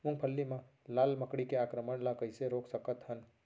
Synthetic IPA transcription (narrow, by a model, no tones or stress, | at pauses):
ʊ̃ŋ̚pʰəlːimã | laːlməkɽikeaːkɾəməɳlakəɪseɾoːksəkət̪ɦən